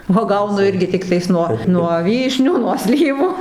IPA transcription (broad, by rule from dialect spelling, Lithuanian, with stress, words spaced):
uɔˈɡɐʊnʊ ˈɪrʲɡʲɪ ˈtʲɪktɐɪs nuɔ nuɔ ˈʋʲiːʃʲnʲuː nuɔ ˈsʲlʲiːʋuː